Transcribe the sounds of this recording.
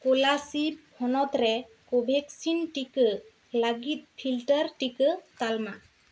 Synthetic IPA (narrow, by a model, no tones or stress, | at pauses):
kolasiphʰɔnɔt̪ɾɛ | kobʱɛksinʈikə | laɡit̪̚pʰilʈəɾʈikət̪alma